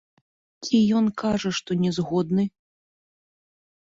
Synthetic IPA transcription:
t͡sʲʰijɔnkaʐɐʂt̪ɔnʲɛzɣɔd̪nɨ

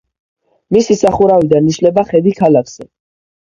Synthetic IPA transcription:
misisaχuɾavid̪aniʃlɛbaχɛd̪ikʰalakʰz̥ɛ

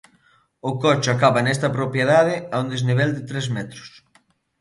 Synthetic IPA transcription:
ʊkɔt͡ʃʊakaβɐnɛst̪ɐpɾopjeðaðɪaund̪ezniβ̞ɛld̪ɪt̪ɾɛzmɛt̪ɾʊ̥s

